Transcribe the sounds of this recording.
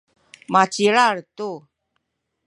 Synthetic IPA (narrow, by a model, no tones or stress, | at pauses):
mat͡ʃiɾaɾt̪u